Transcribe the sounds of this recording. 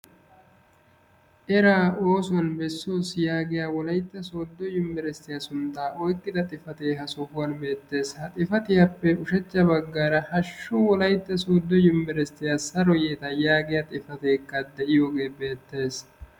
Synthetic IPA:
ʔɛɾaːo̞ːsʊwɐnbɛsːo̞ːsjaːɡɪjaːwɔlɐjt̪ːɐsoːd̪ːɔjʊmbɛɾɛst̪ːɪjasʊnt̪ːaːʔɔjkʼːɪd̪ɐt̪ʼɪfɐt̪eːɦɐsɔfʊwɐnbe̞ːt̪ːe̞ːshɐt̪ʼɪfɐt̪ɪjɐpːɛʊʃɛt͡ʃːɐbɐɡːaːɾɐhɐʃːʊwɔlɐjt̪ːɐsoːd̪ːɔjʊmbɛɾɛst̪ːɪjasɐɾɔjeːt̪ɐjaːɡɪjat̪ʼɪfɐt̪eːkːɐd̪ɛʔɪjoːɡe̞ːbe̞ːt̪ːe̞ːs

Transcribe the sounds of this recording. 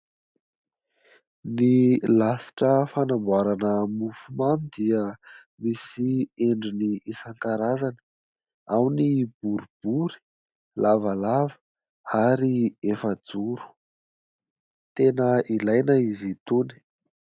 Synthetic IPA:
nilasi̥ʈ͡ʂəfanambwaɾanəmufumamid̪iə | misieɳɖ͡ʐiniisaŋkaɾazanə | awnib̥uɾub̥uɾi̥ | lavalavə̥ | aɾiefəd͡zuɾu̥ | t̪enəilajnəizit̪uni̥

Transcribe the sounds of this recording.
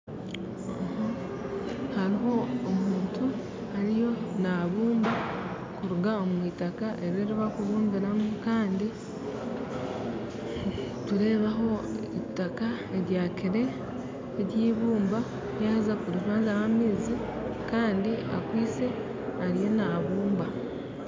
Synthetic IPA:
oha | haɾiɦo̞ːmuːntu | haɾijo̞naβuːmba | kuɾuɡaomwiːtakaʔe̞ɾeɾiβakuβuːŋɡiɾamukaːndi | tuɾe̞ːβaɦo̞itaka | e̞ɾjaːkiɾe̞ː | ɾjiːβuːmba | jazapuɾitazawamiːzi | kaːndia̰kwiːse̞ | aɾijo̞naβuːmba

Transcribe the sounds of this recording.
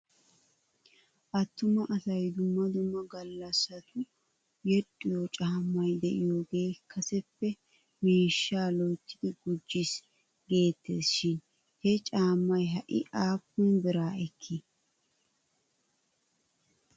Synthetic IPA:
ʔɐt̪ːʊmɐʔɐsɐjd̪ʊmːɐd̪ʊmːɐɡɐlːɐsːɐt̪ʰʊ | jɛɗɪjot͡ʃʼaːmːɐjd̪ɛʔɪjoɡe̞ːkːɐsɛpːɛ | miːʃːaːloːt͡ʃːɪd̪ɪɡʊd͡ʒːɪs | ɡe̞ːt̪ːḛːsʃɪn | hɛt͡ʃʼaːmːɐjɦɐʔɪ̰ʔaːpːʊnbɪɾaːɛkʰːɪ

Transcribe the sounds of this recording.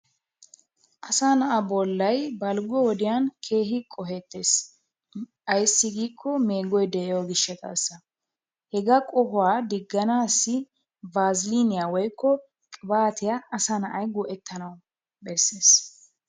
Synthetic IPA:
ʔɐsaːnɐʔɐbɔlːɐjbɐlɡɔwɔd̪ɪjankʰe̞ːɦɪkʼːɔɦe̞ːt̪ːe̞ːs | ʔɐjsːɪɡiːkʰːɔmeːɡɔjd̪ɛʔɛjɔɡɪʃːɐt̪ʰʼɐ̰sːɐ | hɛɡɐkʼɔhʊwaːd̪ɪɡːɐnaːsːɪ | baːzɪlinɪjawɔjkʰːɔ | kʼɪbaːt̪ʰɪjaːsanɐʔɐjɡɔʔɛt̪ʰːɐnɐw | bɛsːeːs

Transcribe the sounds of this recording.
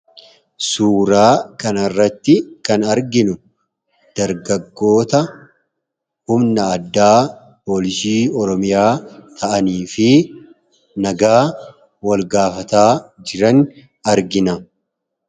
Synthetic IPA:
suːɾaːkɐnɐrːɐt̪ːɪkɐnɐɾɡɪnʊ | d̪̥ɐɾɡɐɡːo̞ːt̪ɐ | hʊmnɐːd̪ːaː | po̞ːlɪsiːɔɾɔmɪjaːt̪ʰɐʔɐniːfɪ | nɐɡaː | wɐlɡaːfɐt̪aːd͡ʒɪɾɐn | ɐɾɡɪnɐ

